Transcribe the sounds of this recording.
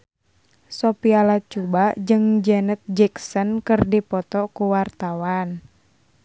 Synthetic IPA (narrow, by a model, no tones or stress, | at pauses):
sɔpialat͡ʃubad͡ʒɨŋd͡ʒɛnət̪̚d͡ʒɛksɔnkɨrdipɔt̪ɔkuwart̪awan